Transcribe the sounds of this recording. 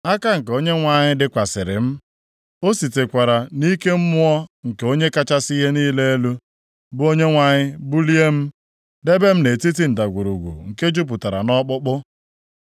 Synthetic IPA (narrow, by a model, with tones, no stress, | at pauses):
a˦ka˦ŋ̩˨ko˦ɲe˦ŋʷa˨ɲɪ˦dɪ˦kʷa˨sɪ˨ɾɪ̰˨m̩˦ | o˦si˨te˨kʷa˨ɾa˨ni˦ke˦m̩˦mʊ˦ɔ˦ŋ̩˨ke˨o˦ɲe˦ka˦t͡ʃa˦si˦ɦe˦niː˦le˦e˦lu˦ | bʊ˦o˦ɲe˦ŋʷa˨ɲɪ˦bu˦li˦e˦m̩˦ | de˦be˦m̩˦ne˨ti˦t̬i˦n̩˨ta˨ɡʷu˨ɾu˨ɡʷṵ˨ŋ̩˨ke˦d͡ʒu˦p̬ʊ˨ta˨ɾa̰˨nɔ˦k͡pʊ˦k͡pʊ˦